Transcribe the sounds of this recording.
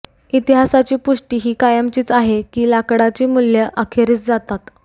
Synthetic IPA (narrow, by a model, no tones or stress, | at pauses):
it̪iɦasat͡ɕiːpuʂʈiːɦiːkajəmt͡ɕiːt͡saɦekiːlakɽat͡ɕiːmuljəʔakʰeɾiːt͡sd͡zat̪at̪